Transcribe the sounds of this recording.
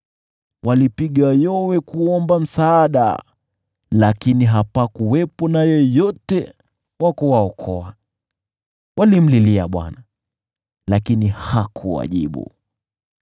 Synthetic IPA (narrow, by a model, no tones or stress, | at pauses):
wʔalipiɠajɔwɛkuɔmbam̩saːɗa̰ | lakiniɦapakuwɛpɔnajɔjɔtɛ | wakɔwaɔkʰɔa | wʔalim̩lilia̰ɓwa̰na | lakinihakʰuwa̰ʄḭɓṵ